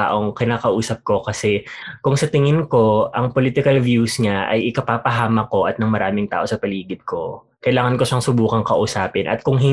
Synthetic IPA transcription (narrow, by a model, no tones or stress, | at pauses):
a̰ːʔoŋkɪnaːkɐʔuːsɐp̚ko̞kɐsɛkʊŋsɐt̪ɪŋɪnko̞ʔɐŋpoliːt̪ɪkɐlvjusŋaʔɐ̰jʔɪkɐpaːpɐɦaːmɐko̞ʔɐt̪̚nɐŋmɐɾaːmɪŋt̪a̰ːʔo̞sɐpɐliːɡɪd̪̚ko̞ | kɐʔɪlaːŋɐnko̞ʃɐŋsʊbuːkɐŋkɐʔʊsaːpɪnʔɐ̰t̪̚kʊŋɦɪ